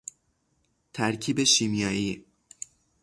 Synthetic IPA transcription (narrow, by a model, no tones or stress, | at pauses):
t̪ʰæɾcʰiːbeʃimijɒːjiː